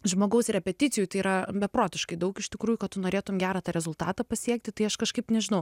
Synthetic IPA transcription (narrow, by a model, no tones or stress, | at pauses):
ʒmoːɡɐʊsɾʲɛpʲɛt̪ʲɪtt͡s̪ʲɪjut̪ɐɪiɾɐbʲɛpɾoːt̪ʲɪʃkɐɪd̪ɐʊkɪʃʲt̪ʲɪkɾuːjʊkɐt̪t̪ʊnoːɾʲeːt̪ʊmɡʲæːɾɐt̪ɑːɾʲɛzʊlˠt̪ɑːt̪ɑpɐsʲiɛk̚t̪ʲɪt̪ɐɪɐʃkɐʃkɐɪpnʲɛʒʲɪnɐʊ